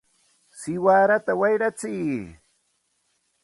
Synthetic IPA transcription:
sɪwaːɾat̪awajɾat͡siː

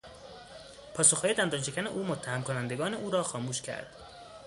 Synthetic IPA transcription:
pʰɒːsoxɒːje̞d̪ænd̪ɒːnʃe̞kʰʲæneʔuːmot̪ʰːæhæmkʰonænd̪e̞ɡɒːne̞ʔuːɾɒːxɒːmuːʃcʲʰæ̰ɾd̪̥

